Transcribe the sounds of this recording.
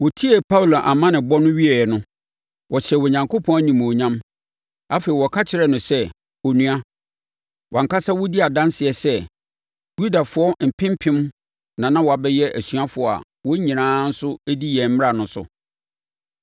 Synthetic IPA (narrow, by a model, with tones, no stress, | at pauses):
wɔ˨tʰi˦ɛ˨pʰa˦u˨lo˨ʔa˨mã˦nɪ̃˨bɔ˦nʊ̃˦ɥi˦ɛ˨nʊ̃˦ | wɔ˨t͡ɕʰɛ˨wɔ˨ɲã˨ŋkʰo˦pʰɔ̃˦næ˦ɲĩ˨m˨o˨ɲã˦m | a˦feː˨i˨wɔ˨kʰa˦t͡ɕʰɪ˨ɾɛ˦nʊ̃˨sɛ˦ | o˨nũ˨a˦ | wʔɔ̃˨ŋ˨ka˦sa˦wɔ˦di˦a˨dã˦n˦sɪ˨ɛ˨sɛ˦ | ju˦da˨fʊ˨˦ɔ˦m̩˨pʰɪ̃˦m˦pʰɪ̃˦m | nã˨nã˦wɔ˨a˨bɛ˦jɛ˦ʔæ˨sɥa˦fʊ˨ɔ˨a̰˨ | wɔ˦ɲĩ˨nãː˦n̩˦sʊ˦æ˦di˦jɛ˨m̩˦m˦ɾa˨nʊ̃˨sʊ̰˨